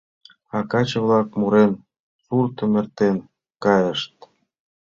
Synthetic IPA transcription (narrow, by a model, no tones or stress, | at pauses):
ɑkɑt͡ɕə̆βlɑkmuɾen | surt̪ə̆mĕrt̪en | kɑjəʃt̪̚